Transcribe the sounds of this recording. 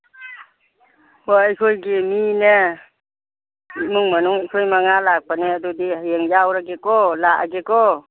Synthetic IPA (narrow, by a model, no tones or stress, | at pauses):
moajkʰojɡemine | mɯŋmanuŋajkʰojmaŋalak̚paneadudijeŋjawɾaɡekɔlaʔaɡekɔ